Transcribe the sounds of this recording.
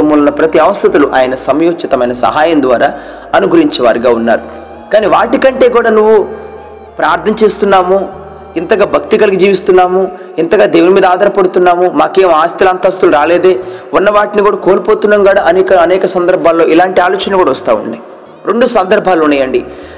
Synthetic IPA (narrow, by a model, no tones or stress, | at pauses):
ɐmːulunːɐpɾɐt̪iɐʋɐst̪ɐt̪ɐluʔaːjɐnɐsɐmjoːkt͡ʃɐt̪ɐmɐjnɐsɐ̰ɦaːjɐnd̪ʋa̰ːɾaː | ɐnuɡʱuɾiɲt͡ʃɛʋa̰ːɾiɡaːunːa̰ːɾu | kaːniʋaːʈikɐɳʈe̞ːɡuːɽaːnuʋːu | pɾaːɾt̪ʰːɐnɐt͡ʃe̞ːst̪unːaːmu | int̪ɐɡaːbʱɐk̚t̪ikɐlɐkid͡ʒiːʋist̪unːaːmu | int̪ɐɡaːd̪e̞ːʋwnimiːd̪ɐaːd̪ɐɾɐpɐɽut̪unːaːmumaːke̞ːmaːst̪ilaːnt̪aːst̪uluɾaːleːd̪eːunːɐʋaːʈinikuːɽaːkoːlpo̞ːt̪unːɐŋɡaːɽaʔɐnɛːkɐɐnɛːkɐsɐnd̪ɐɾbʱaːlːo̞ːʔilaːɳʈiaːloːt͡ʃɐnɐlukuːɽaʋɐst̪aːṵɳːɖa̰ːj | ɾeɳɖusɐnd̪ɐɾbʱaːluɳːɐjɐɳɖi